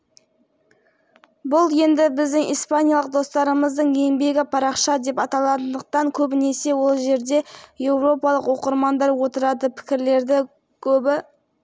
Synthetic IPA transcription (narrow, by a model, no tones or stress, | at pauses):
bʊlˠje̞nd̪ɪbɪzd̪ɪŋḭjspanʲijalˠəq̚d̪o̞st̪ɑɾəməzd̪əɴejnbe̞ɡʲɪpʰɑɾɑqʃɑd̪e̞pɑt̪ɑlˠɑt̪ənd̪əq̚t̪ɑŋkʲʰɵbɪne̞se̞wo̞lˠʒe̞ɾd̪e̞je̞wɾo̞pɑlˠəqwo̞qəɾmɑnd̪ɑɾwo̞t̪əɾɑd̪əpʰɪ̥kʲɪɾle̞ɾd̪ɪ | kʲʰɵbɪ